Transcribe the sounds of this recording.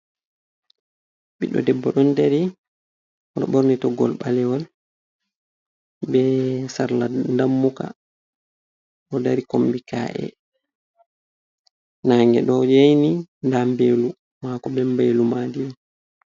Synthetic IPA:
ɓiɗɔ̰dɛbːɔɗɔndaɾi | ɔɗɔ̰ɓɔɾnitɔɡɔ̰lɓalɛwɔl | ɓbɛsaɾlandamːuka̰ | ʔɔdaɾikombika̰ʔɛ̰ | naŋɡɛɗɔjajnindambeːlu | makɔbɛmbeːlumaːdi

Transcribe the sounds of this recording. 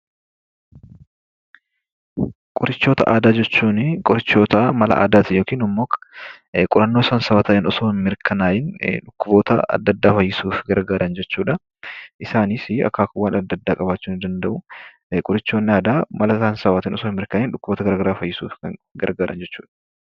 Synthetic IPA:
kʼʊɾɪt͡ʃːo̞ːt̪ɐ̰ʔaːd̪aːd͡ʒɛt͡ʃːuːnɪkʼʊɾɪt͡ʃːo̞ːt̪ɐmɐlɐ̰ʔa̰ːd̪aːt̪ɪjoːkiːnʊmːoːkɐ̥ | kʼʊɾɐnːo̞ːsaːnsɐwaːt̪ɐʔɪnɔsoːhmɪɾkʰɐnaːjɪnᶑʊkːʊbo̞ːt̪ɐ̰ɐ̰d̪ːɐd̪ːaːfɐjːɪsuːfɡɐɾɡaːɾɐnd͡ʒɛt͡ʃːuːᶑɐ | ʔɪsaːnisɪɐ̰kːaːkʊwaːnɐd̪ːɐd̪ːaːkʼɐbaːt͡ʃːuːnɪd̪ɐnd̪ɐʔʊ | kʼʊɾɪt͡ʃːo̞ːnːɪaːd̪aːmɐlɐsaːnsɐwaːt̪ɪnɔsoːɪnmɪɾkɐnɪnᶑʊkːʊboːt̪ɐɡɐɾaːɡɐɾaːfɐjːɪsṵːfɐɡɐ̰ɾɡaːɾʔɐ̰nd͡ʒɛt͡ʃːṵːᶑɐ̥

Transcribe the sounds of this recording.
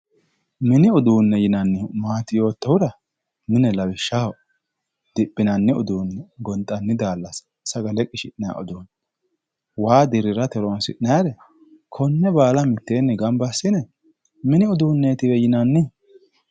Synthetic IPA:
mɪnɪʊd̪uːnːɛjɪnɐnːɪmaːt̪ɪjo̞ːt̪ːɐwʊd̪ɐ | mɪnɛlɐwɪʃːa | d̪̥ɪpʼːɪnɐnːɪʊ̰d̪uːnːɛɡɔnt̪ʼːɐnːɪd̪aːlːɐs | sɐɡɐlɛkʼɪʃɪᶑna̰ʔɔ̰d̪uːn | waːd̪ɪɾɪɾɐt̪ɛɾɔnsɪ̰ʔnɐjaɾɛ | kʰɔnːɛbaːlɐmɪt̪ːe̞ːnːɛɡɐmbɐsːɪnɛ | mɪnɪʊd̪uːnːeːt̪ɪwɛjɪnɐnːɪ

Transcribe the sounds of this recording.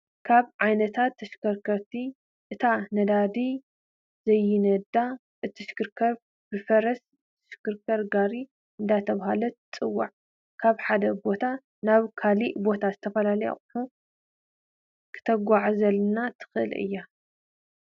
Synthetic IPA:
kʰaβʕajnɐt̪ʰat̪ʰːɐʃkʰɐɾkʰɐɾt̪ʰi | ʔɨt̪ʰanɐd̪ad̪i | zɐjːɪnɐd̪a | ʔɨt̪ʰːɨʃkɨɾkʰɐɾ | bɨfɐɾɐs | t̪ʰːɨ̥ʃkɨɾkʰɐɾɡaɾi | ʔɨnd̪ajt̪ʰɐβhalɐt͡sʼɨwːa̰ʕ | kʰaβħad̪ɐbo̞t̪ʰa | naβkʰaliʔbo̞t̪ʰazɨt̪ʰɐfɐlalɐja̰χʼuħu | kʰɨ̥t̪ʰɐɡʷaʕzɐlnat̪ʰɨ̥xɨʔɨ̰lɨ̰jːa

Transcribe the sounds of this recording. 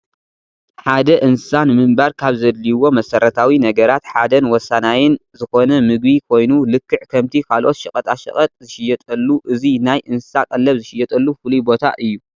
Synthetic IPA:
ħad̪ɐʔɨnsɨsanɨmɨmbɐɾkʰaβzɐd̪liwo̞mɐsɐɾʔɐt̪ʰawinɐɡɐɾat̪ħad̪ɐnwɔsːanajɪnzɨxo̞nɐmɨɡ̚bikʰo̞jnulɨkːɨʕkʰɐmt̪ʰikʰalʔo̞t̪ʃɨkʼɐt̪ʼaʃɐ̰kʼɐt̪ʼzɨʃɪjɛt̪ʼɐlːuʔɨzinajʔɨnsɨsakʼɐlːɐβzɨʃɪjːɛt̪ʼɐlːufɨlubo̞t̪ʰa̰ʔɨjːu

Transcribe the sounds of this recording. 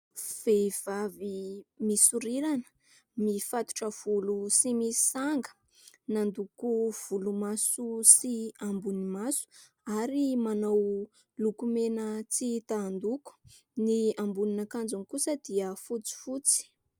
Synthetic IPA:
v̥ev̥avimisuɾiɾanə̥ | mifat̪u̥ʈ͡ʂəv̥ulusimisi̥saŋɡə̥ | nand̪ukuv̥ulumasusiambunimasu̥ | aɾimanaw | lukumenət͡sit̪and̪uku̥ | niambuninakand͡zunkusəd̪̥iəfut͡si̥fut͡si̥

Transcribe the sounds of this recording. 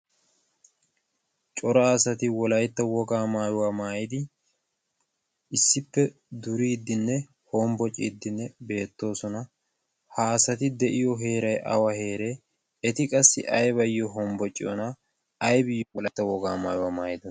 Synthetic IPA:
t͡ʃʼɔɾɐːsɐt̪ɪwɔlɐjt̪ːɐwɔɡaːmaːjʊwaːmaːjɪd̪ɪ | ɪsːɪpːɛ | d̪ʊɾiːd̪ːɪnːɛ | hɔmbɔt͡ʃʼḭːd̪ːɪnːɛbe̞ːt̪ːo̞ːsɔnɐ | haːsɐt̪ɪd̪ɛʔɪjɔɦe̞ːɾɐjʔɐ̰wɐhe̞ːɾe | ɛt̪ɪkʼɐsːɪ̰ʔɐjbɐjɔɦɔmbɔt͡ʃʼːɪ̰jɔ̰nɐ | ɐjbɪjwɔlɐt̪ːɐwɔɡa̰ːma̰ːjʊwaːmaːjɪd̪ɐ

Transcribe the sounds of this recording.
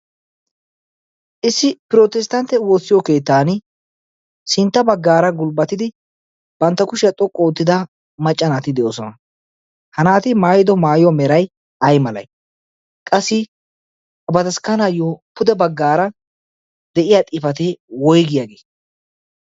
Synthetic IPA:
ʔɪsːɪpɪɾo̞ːt̪ɛst̪ɐnt̪ːɛwoːsːɪjɔke̞ːt̪ːaːn | sɪnt̪ːɐbɐɡːaːɾɐɡʊlbɐt̪ɪd̪ɪ | b̥ɐnt̪ːɐkʊʃɪɐt̪ʼɔkʼːɔːt̪ːɪd̪ɐ | mɐt͡ʃʼːɐnaːt̪ɪd̪ɛʔoːsɔnɐ | hɐnaːt̪ɪmaːjɪd̪ɔmaːjwɔmɛɾɐj | ɐjmɐlɐ̰j | kʼɐsːɪ | ɐbɐt̪ɐskɐnajopʊd̪ɛbɐɡːaːɾɐ | d̪ɛʔɪjat̪ʼɪfɐt̪eːwɔjɡɪjaɡeː

